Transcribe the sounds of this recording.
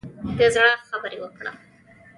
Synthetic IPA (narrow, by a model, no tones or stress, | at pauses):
d̪əzɽaxabəɾewəkɽa̰